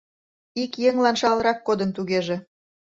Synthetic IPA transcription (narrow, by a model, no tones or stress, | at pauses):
ikjeŋlɑnʃɑlˠɾɑkːod̪ənt̪uɣeʒĕ